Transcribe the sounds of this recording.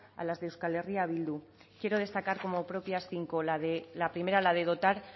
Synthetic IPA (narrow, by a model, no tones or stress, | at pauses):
a̰lazðewskale̞riaβild̪u | kje̞ɾo̞ð̞e̞st̪akaɾko̞mo̞pɾo̞pjasθiŋkolðelapɾime̞ɾalaðe̞ð̞o̞t̪aɾ